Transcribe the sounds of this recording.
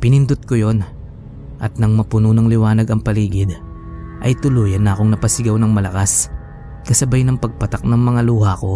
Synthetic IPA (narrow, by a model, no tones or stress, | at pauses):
pɪnɪnd̪ʊt̪̚kojo̞n | ʔɐt̪nɐŋmɐpʊnunɐŋlɪwaːnɐɡɐŋpɐliːɡɪd̪ | ʔɐjt̪ʊluːjɐnːɐʔɐko̞ŋnɐpɐsɪɡawnɐŋmɐlɐkas | kɐsɐbajnɐŋpɐɡ̚pɐt̪ɐk̚nɐŋmɐŋaluːhako̞